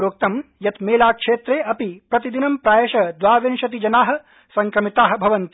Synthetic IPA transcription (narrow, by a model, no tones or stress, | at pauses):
ɾoːk̚t̪ɐmjɐt̪meːlaːkʂeːt̪ɾeːʔɐpipɾɐt̪id̪inɐmpɾaːjɐʃɐd̪ʋaːʋenʃɐt̪̬id͡ʒɐnaːɦɐ̆ | sɐŋkɾɐmit̪aːɦɐ̆bʱɐʋɐnt̪